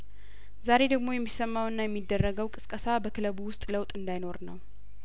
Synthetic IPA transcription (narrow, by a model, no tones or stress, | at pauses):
zaɾe̞d̪əɡmo̞jɛmːisəmːawɨnːajɛmːid̪ːərːəɡəwkʼɨskʼəsabəkʰɨləβuwʊst̪ʼləwt̪ʼɨnd̪ajno̞ɾnəw